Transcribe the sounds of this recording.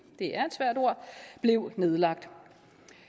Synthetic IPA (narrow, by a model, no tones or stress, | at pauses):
d̥e̝ʔæɐe̝d̥sʋæɐ̰do̝ɐ̰b̥le̝ʊne̝ð̞ˠlɑ̈ɡ̥̚d̥